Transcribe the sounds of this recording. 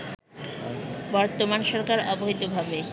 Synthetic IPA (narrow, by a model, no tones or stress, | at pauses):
bɔɾt̪omanʃɔɾkaɾɔboɦit̪obʱabe